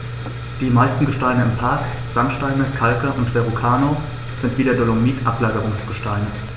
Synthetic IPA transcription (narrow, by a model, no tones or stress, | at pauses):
d̥iːmaɪstn̩ɡəʃtaɪnəɪmpʰaɐk | z̥amʃtaɪnəkʰalkəʔʊntv̥eʁukʰaːno | z̥ɪntv̥iːdeɐdolomiːtʔaplaːɡəʁʊŋsɡ̥əʃtaɪnə